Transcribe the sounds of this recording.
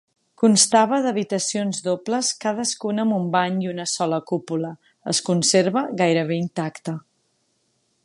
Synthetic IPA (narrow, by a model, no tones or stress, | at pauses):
kunst̪aβ̞əðəβ̞it̪əsionzðopləskað̞əskunəmumbaɲiunəsɔləkupulə | ə̰skunseɾβəɣajɾəβeint̪akt̪ə